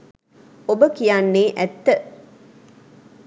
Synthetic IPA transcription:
obəkijanːeːʔæt̪ːə

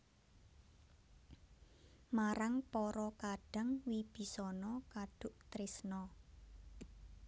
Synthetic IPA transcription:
maɾaŋpɔɾɔkaɖ̥a̤ŋwib̥i̤sɔnɔkaɖ̥ʊ̤ʔt̪ɾisnɔ

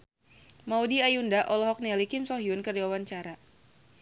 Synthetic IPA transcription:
maudiajundaʔɔlɔɦɔk̚nialikɪmsɔɦiʊnkərd͡ʒawawaɲt͡ʃaɾa

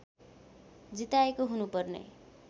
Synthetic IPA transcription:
d͡zit̪aekoɦunupʌrnḛ

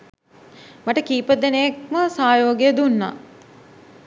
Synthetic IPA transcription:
maʈəkiːpəd̪enejek̚məsaːjoːɡejəd̪unːa̰

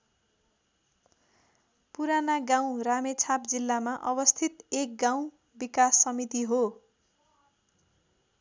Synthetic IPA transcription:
puɾanaɡaw̃ramet͡sʰap̚d͡zilːamaʔʌbʌst̪ʰit̪ek̚ɡaw̃ | bikasːʌmit̪iɦo

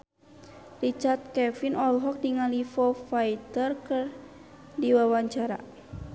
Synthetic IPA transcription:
rit͡ʃart̪̚kɛfinɔlɦɔk̚diŋalifɔfajt̪ərkɨr | diwawaɲt͡ʃaɾa̰

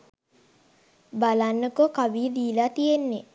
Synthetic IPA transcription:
balanːəkokaʋiːəd̪iːlaːt̪ijenːe

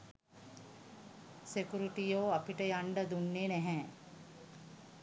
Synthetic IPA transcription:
sekuɾiʈijoːapiʈəjaɳɖəd̪unːenɛɦɛː

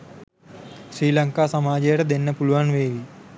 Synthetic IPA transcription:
sɾiːlɐŋkaːsɐmaːd͡ʒɐjɐʈɐd̪enːɐpuluʋanʋeːʋi

